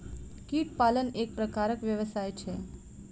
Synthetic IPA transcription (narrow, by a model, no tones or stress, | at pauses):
kiʈ̪̚palənek̚pɾəkaɾəkʋjəʋəsajt͡ʃʰe